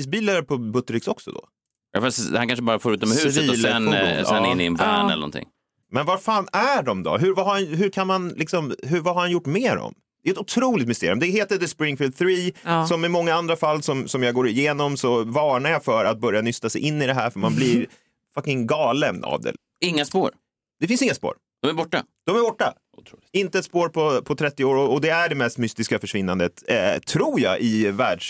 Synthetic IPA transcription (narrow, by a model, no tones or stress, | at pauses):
iːs̬biːlaɾpʰɔbɵt̪ːəɾɪksɔksɔ̰d̪ɔ̰ | jɑ̰fast̪hankʰanʂəbɑːɾafoːɾʉ̟ːt̪ːɔmhʉːsviːlɛnsɛnːɪnːɪɛnbɛːɛ̰lə̰nɔ̰nt̪ʰɪ̰ŋ | mɛnvaɾfaːnæɖɔmd̪ɔ̰ɦɵɾvaɦaɾanɦɵɾkʰanmanlɪksɔmɦɵɾvahɦaɾhanjʊʈːmeːɾɔ̰m | d̪ɛɛɛt̪ʊt̪ʰɾuːlɪt̪mɪst̪eːɾj̰ʉmd̪ɛɦeːt̪əd̪ɛspɾɪŋfɪld̪̚θɾiːsɔmɪmɔŋːaand̪ɾafalːsɔmsɔmjaːɡoːɾɪjeːnɔmsɔvɑːɳaɾjɑfœɾat̪̚bœɾjanʏst̪asɛ̰jʔɪnːɪd̪ɛɦæːɾfœmanblɪɾ | fakːɪŋɡɑːləna̰vd̪ɛ̰ | ɪŋːaspo̰ːɾ | d̪̥ɛfɪnsɪŋːaspo̰ːɾ | d̪̥ɔmæbɔʈːa̰d̪̥ɔmæɾbɔʈːa | t̪ʰɾuɪnt̪əɛt̪spoːɾpʰɔpʰɔt̪ʰɾɛt̪ːɪoːɾɔɔd̪ɛæɖɛmɛst̪mʏst̪ɪskafœʂvɪnːand̪ət̪t̪ʰːɾuːɾjɑ̰ʔɪvæːɖʂ